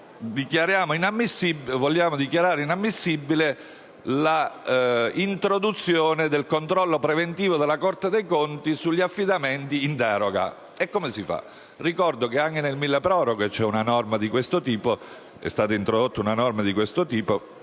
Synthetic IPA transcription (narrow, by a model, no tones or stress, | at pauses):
d̪ikjaɾjaːmoinamːisːibvolːjaːmod̪ikjaɾaːɾeinamːisːibːile | la | int̪ɾod̪ut̪sːjoːned̪elkont̪ɾɔlːopɾevent̪iːvod̪elːakort̪ed̪ejkont̪isuʎːiafːid̪ament̪iːnt̪ɛːɾoɡa̰ | ɛkːomesifa̰ | rikɔrd̪okeaŋkenelmilːapɾɔːɾoɡet͡ʃːɛunanɔrmad̪ikwest̪ot̪iːpo | ɛ̰st̪aːt̪aint̪ɾod̪ot̪ːaunanɔrmad̪ikwest̪ot̪iːpo